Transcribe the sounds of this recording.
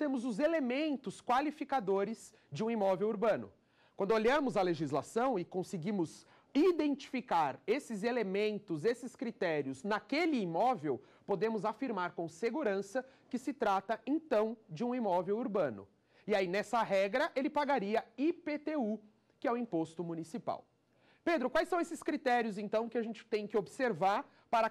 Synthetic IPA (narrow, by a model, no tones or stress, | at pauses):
t̪ẽmʊzʊzelemẽnt̪ʊskwalifikad̪oɾɪz | d͡ʒɪũimɔvewuɾbɐ̃nʊ̰ | kwɐ̃nd̪ʊoʎɐ̃mʊzɐleʒizlasɐ̃w̃ɪkõsɪɡĩmʊz | id̪ẽnt͡ʃi̥fikaɾesɪzelemẽnt̪ʊzesɪskɾit̪ɛɾiʊznɐkelɪːmɔvew | pod̪ẽmʊzafiɾmaɾkõw̃seɡuɾɐ̃sɐkɪsɪt̪ɾat̪ɐẽt̪ɐ̃w̃d͡ʒɪũimɔvewuɾbɐ̃nʊ̰ | ɪainɛsɐɦɛɡɾɐʔelɪpaɡaɾiɐipet̪eu | kɪɛwĩpost̪ʊmũnisipa̰w | ped̪ɾʊkwajsɐ̃w̃esɪskɾit̪ɛɾiʊzẽnt̪ɐ̃w̃kɪaʒẽnt͡ʃɪ̥t̪ẽj̃kɪobɪseɾvaɾ | paɾɐ